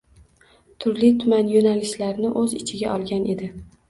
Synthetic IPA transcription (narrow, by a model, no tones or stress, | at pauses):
t̪ʰʊɾlit̪ʰʊmanjonalɪʃlaɾnɪʔɵzɪt͡ʃʰɪɡʲaʔɒlˠɡʲanʔe̞d̪ɪ